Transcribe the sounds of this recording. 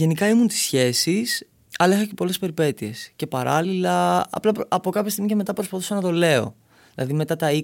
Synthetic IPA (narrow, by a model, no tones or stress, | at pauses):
e̞nikɐimunt̪i̥sçe̞sis | ɐlɐixɐce̞po̞le̞spe̞ɾipe̞t̪ie̞sce̞pɐɾɐ̰lilɐ̰ːplɐpɐpo̞kɐpçɐst̪iɣmiceme̞t̪ɐpɾo̞spɐθusɐnɐt̪o̞le̞o̞̰ | ðilɐ̰ðime̞t̪ɐt̪ɐi